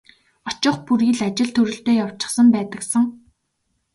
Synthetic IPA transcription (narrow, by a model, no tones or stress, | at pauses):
ɔt͡ɕʊ̆χpuɾiːɮat͡ɕɪ̆ɮt̪ʰɵɾɵ̆ɬt̪eːjaw̥t͡ɕɪ̥̆χsə̆mpæːt̪ə̆ksə̆ŋ